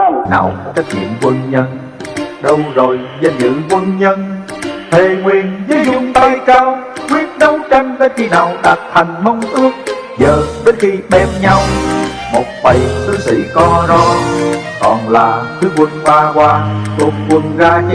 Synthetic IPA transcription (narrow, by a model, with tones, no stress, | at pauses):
na̰ː˨˩wkɔ˨˦t͡ɕa˨˦˥k̚ɲḭ˧˨˩ənkwə˧nɲə˧n | ɗə˧wzo˨˩jza˧˩ɲɨ̰˧˥kwə˧nɲə˧n | t̪ʰe˨˩ŋwi˨˩ənzəː˨˦zʊ˧ŋ͡mt̪aː˧jkaː˧wkwi˦˥ət̚ɗə˨˦wt͡ɕa˧jŋ̟vəː˨˦jxi˧na̰ː˧˨˩wɗaː˨˩t̚t̪ʰa˨˩jŋ̟mə˧wŋ͡mʔɨ˦˥ək̚ | zəː˨˩vəː˨˦jxi˧ɓɛ˧mɲa˧w | mo˨˩t̚va˨˩jsʰɨ˨˦sḭ˧˥kɔ˧zɔ˧ | kɔ˨˩nlaː˨˩t̪ʰɨ˨˦kwə˧nɓaː˧kwaː˧t̪u˨˩ət̚kwə˧nzaː˧